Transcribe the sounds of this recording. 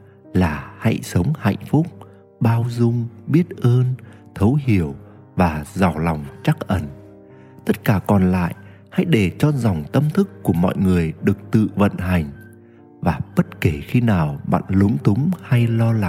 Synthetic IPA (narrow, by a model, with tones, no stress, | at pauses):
laː˨˩ha̰˧˥jsə˨˦wŋ͡mha̰˧˨jŋ̟fʊ˦˥k͡p̚ | ɓaː˧wzʊ˧ŋ͡mɓi˦˥ət̚ʔəː˧n | t̪ʰə˨˦whi˧˩əw | vaː˨˩za˨˩wla˨˩wŋ͡mt͡ɕa˦˥k̚ʔə˧˩n | t̪ə˦˥t̚kaː˧˩kɔ˨˩nla̰ː˧˨j | ha̰˧˥jɗe˧˩t͡ɕɔ˧za˨˩wŋ͡mt̪ə˧mt̪ʰɨ˦˥kːu˧˩əmɔ̰˧˨jŋɨ˨˩əjɗɨ˨˩ək̚t̪ɨ̰˧˨və̰˧˨nɦa˨˩jŋ̟ | vaː˨˩ɓə˦˥t̚ke˧˩xi˧naː˨˩wɓa̰ː˧˨nlʊ˨˦ŋ͡mt̪ʊ˨˦ŋ͡mha˧jlɔ˧la˨˧